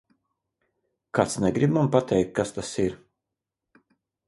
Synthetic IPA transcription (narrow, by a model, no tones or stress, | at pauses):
kat̪snɛɡɾibmampat̪ʰɛjk̚t̪̚kast̪asiɾ